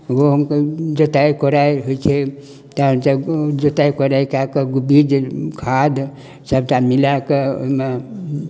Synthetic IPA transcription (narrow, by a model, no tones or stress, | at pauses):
ɡoɦəmked͡ʒət̪ajkɔɾajɦoit͡ʃʰɛ | t̪aɦəmsad͡ʒət̪ajkɔɾajkakeɡubid͡ʒkʰad̪ | səbtamilakeo̰ime